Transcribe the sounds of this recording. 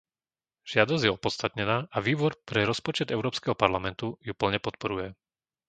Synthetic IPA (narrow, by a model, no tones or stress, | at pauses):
ʒ̥ɪad̪ɔzɟjɛɔpɔt̪st̪at̪ɲɛnaːʔaʋiːbɔɾpɾɛɾɔspɔt͡ʃɛd̪ɛʊɾɔːpskɛɦɔpaɾlamɛnt̪ujupl̩ɲɛpɔt̪̚pɔɾujɛ